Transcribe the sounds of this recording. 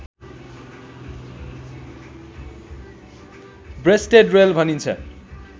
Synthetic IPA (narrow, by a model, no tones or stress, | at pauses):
bresʈeɖrelbʱʌnint͡sʰʌ̰